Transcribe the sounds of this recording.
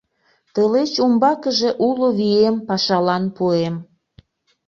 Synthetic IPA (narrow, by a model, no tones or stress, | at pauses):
t̪əlet͡ɕumbɑkəʒe̽ʔuloβiempɑʃɑlɑnpuem